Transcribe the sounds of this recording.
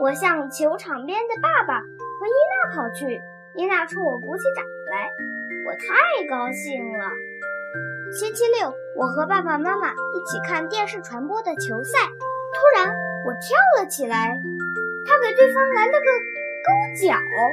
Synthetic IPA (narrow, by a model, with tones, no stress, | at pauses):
wɔ˨˩ɕjɑ˥˩ŋt͡ɕʰjo˧˥ʊʈ͡ʂʰɑ˨˩ŋpjɛ˥nd̪ə˨˧pa˥˩pa˨˩ | xɤ˧˥i˥na˥˩kʰɑ˨˩ʊt͡ɕʰy˥˩ | i˧˥na˥˩ʈ͡ʂʰɤ˥ŋwɔ˨˩ku˧˥t͡ɕʰi˥ʈ͡ʂa˨˩ŋla˧˥ɪwɔ̰˨˩t̪ʰa˧˥˩kɑ˥ʊɕi˥˩ŋə˩ | ɕi˥nt͡ɕʰi˥ljo˥˩ʊ | wʔɔ˨˩xɤ˧˥pa˥˩ba˨˩ma˥ma˨i˥˩t͡ɕʰi˨˩kʰa˥˧nt̪jɛ˥˧nʂɻ̩˥˩ʈ͡ʂʰwa˧˥npwɔ˥d̪ə˨t͡ɕʰjo˧˥ʊsa˥˩ɪt̪ʰu˥ɻa˧˥nwɔ˨˩t̪ʰjɑ˥ʊlə˨˩t͡ɕʰi˨˩la˧˥ɪt̪ʰa˥ke˨˩ɪt̪we˥˩ɪfɑ˥ŋla˧˥nt̪ə˥˩ɡ̪ə˧ | kɤ˥˩ŋt͡ɕjɑ˨˩˦ʊ